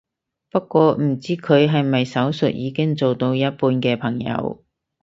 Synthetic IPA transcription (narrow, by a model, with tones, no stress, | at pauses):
pɐ˥kːʷɔː˧m̩˨˩t͡siː˥kʰɵ˨˧ɥɦɐ˨jmɐ˨jsɐ˨˥wsɵ̰˨t̚jiː˨˧kɪ˥ŋt͡so˨wt̪o˧wjɐ˥t̚puː˧nkɛː˧pʰɐ˨˩ŋjɐ̰˨˧w